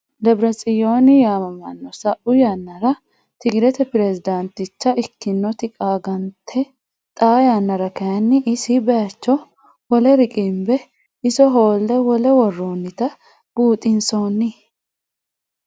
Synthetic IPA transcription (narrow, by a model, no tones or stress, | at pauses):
d̪ɐbɾɐsʼɪjo̞ːnɪjaːmɐmɐnːɔsɐʔʊjanːɐɾɐ | t̪ɪɡɪɾɛt̪ɛpɪɾɛsɪd̪ɐnt̪ɪt͡ʃːɐʔɪkːɪnːɔt̪ɪkʼaːɡɐnt̪ʰɛ | t̪ʼaːjanːɐɾɐkɐjɐnːɪʔɪsɪbɛjɐt͡ʃːɔ | wɔlɛɾɪkʼɪmbɛ | ɪsɔɦo̞ːlːɛwɔlɛwɔrːoːnːɪt̪ɐ | b̥uːt̪ʼɪnsoːnːɪ